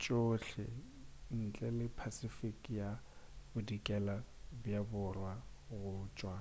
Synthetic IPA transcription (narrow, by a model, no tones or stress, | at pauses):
t͡ʃʼoɬɛ̰ | n̩t͡ɬʼɛlɪpʰasifikʼjabʊdikʼɛlabjabʊrwa | ɣʊt͡ʃʼwa